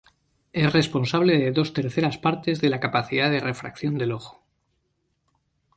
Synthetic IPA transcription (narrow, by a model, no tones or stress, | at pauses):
e̞sre̞spo̞nsaβle̞ðe̞ðo̞st̪e̞ɾθe̞ɾaspaɾt̪e̞zðe̞lakapaθiðaðe̞re̞fɾa̰kθjo̞nd̪e̞lo̞xo̥